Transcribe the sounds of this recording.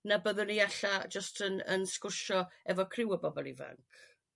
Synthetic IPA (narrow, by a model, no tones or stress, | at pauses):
nabəðəniaɬad͡ʒəstʰənə̰nskʊrʃɔɛvɔkʰrɪwɔbɔbɔlˠiva̰ŋkʰ